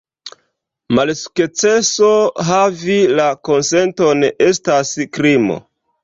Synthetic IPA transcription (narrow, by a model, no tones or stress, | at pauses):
malsu̥kt͡se̞so̞ɦavilako̞nse̞nto̞nestaskɾimo̞̰